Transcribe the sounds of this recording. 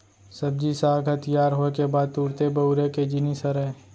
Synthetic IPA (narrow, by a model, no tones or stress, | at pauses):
sɐb̚d͡ʒisaːɡʱət̪jaːɾɦokebaːd̪̚t̪uːɾt̪ebəʊɾeked͡ʒɪnisəɾɦɛ̃ː